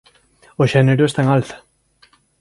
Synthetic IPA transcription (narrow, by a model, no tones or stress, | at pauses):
oʃɛneɾoest̪aeŋalθḁ